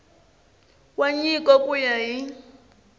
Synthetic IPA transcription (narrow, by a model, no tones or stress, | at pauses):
kwaɲikʼɔkʼujaɦi